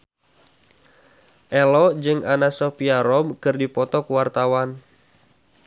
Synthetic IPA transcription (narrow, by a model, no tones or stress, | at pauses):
ʔɛlɔd͡ʒɨŋʔanasɔpiaɾɔbkɨrdipɔt̪ɔkuwart̪awan